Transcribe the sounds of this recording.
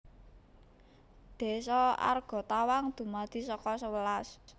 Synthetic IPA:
d̪̥e̤sɔa̰rɡ̥ɔ̤t̪awaŋd̪̥ṳmad̪̥i̤sɔkɔsəwəlas

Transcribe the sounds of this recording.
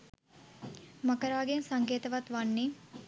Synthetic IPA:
makəɾaːɡensaŋkeːt̪əʋat̪ʋanːi

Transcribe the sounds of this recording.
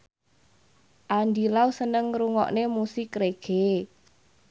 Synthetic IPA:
ʔandilausənəŋɾuŋɔ̰ʔnemusɪkreɡ̥e

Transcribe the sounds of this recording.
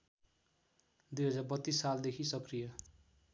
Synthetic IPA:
d̪ujɦʌd͡zabʌt̪ːisːald̪ekʰisʌkrijʌ

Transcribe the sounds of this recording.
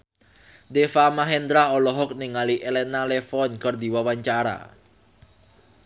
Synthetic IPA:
d̪efamaɦɛnd̪ɾaɔlɔɦɔk̚niŋaliʔelɛnalefɔnkərd̪i̤wawaɲt͡ʃaɾa̰

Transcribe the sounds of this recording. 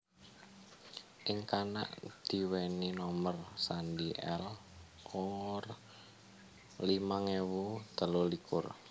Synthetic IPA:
ʔɪŋkana̰ʔd̪̥i̤weninɔmərsandiʔɛl | oŋɔr | limaŋewud̪̥ə̤lolikʊr

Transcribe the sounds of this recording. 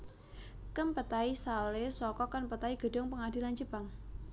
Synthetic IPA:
kəmpət̪aisalesɔkɔkanpət̪aiɡ̥ə̤ɖʊŋpəŋadiland͡ʒəpaŋ

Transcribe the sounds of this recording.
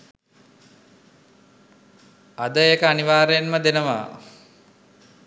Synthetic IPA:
ad̪əekəaniʋaːɾejenməd̪enəʋa̰ː

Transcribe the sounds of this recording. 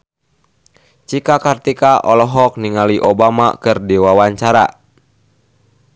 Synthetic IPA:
t͡ʃikakart̪ikaʔɔlɔɦɔk̚niŋaliʔɔbama̰kɨrdiwawaɲt͡ʃaɾa̰

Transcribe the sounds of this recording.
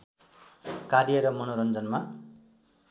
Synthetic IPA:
kaɾijʌɾʌmʌnoɾʌnd͡zʌnma

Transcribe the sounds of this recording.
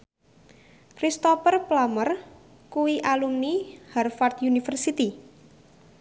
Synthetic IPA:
kɾist̪ɔpərplamər | kuwiʔalumniharfart̪junifərsit̪i

